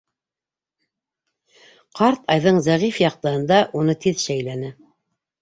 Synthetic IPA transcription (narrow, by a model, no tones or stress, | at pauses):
qʰɑɾt̪ɑjðɤɴzæʁifjɑq̚t̪ɤ̆hɤ̆nd̪ɑʔunɤt̪iðʃæjlænɘ